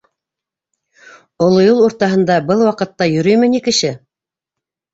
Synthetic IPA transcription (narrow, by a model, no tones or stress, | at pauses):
ŏlˠŏjulˠuɾt̪ɑɦɤ̆nd̪ɑbɤlˠwɑqɤ̆t̪ːɑjɵ̆ɾɵjmɘ̆nikɘ̆ʃɘ